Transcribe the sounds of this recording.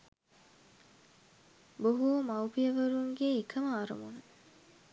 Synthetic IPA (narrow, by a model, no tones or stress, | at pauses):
boɦumɐwpijəʋɐɾuŋɡeːkʰɐməaɾṵmunə